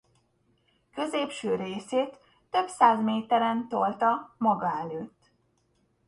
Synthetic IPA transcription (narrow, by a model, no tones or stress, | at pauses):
kø̞zeːpʃøːɾeːseːt̪ː | ø̞bsaːzmeːt̪ɛɾɛnt̪olt̪ɒmɒɡɒɛløːt̪ː